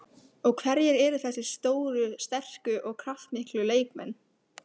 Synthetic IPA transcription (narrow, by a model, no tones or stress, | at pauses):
ɔɣkʰvɛɾjɛɾɛːɾʏθɛsːɪ̥st̪oːwɾʏst̪ɛr̥kʏʔɔɣkʰɾaft̪mɪhklʏleːjkmɛnː